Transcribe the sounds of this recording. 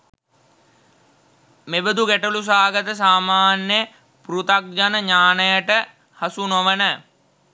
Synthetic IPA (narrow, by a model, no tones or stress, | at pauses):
mebəd̪uɡæʈəlus̬aːɡət̪əs̬aːmaːnjə | pɾut̪ak̚d͡ʒanəɲaːnəjəʈə | hasunoʋənə